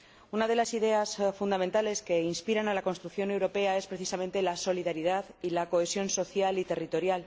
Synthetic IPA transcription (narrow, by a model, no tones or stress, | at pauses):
unað̞e̞lasiðe̞asfund̪ament̪ale̞ske̞inspiɾanalako̞nst̪ɾukθjo̞ne̞wɾo̞pe̞ae̞spɾe̞θisament̪e̞laso̞liðaɾiðaðilako̞e̞sjo̞nso̞θjalit̪e̞rit̪o̞ɾjal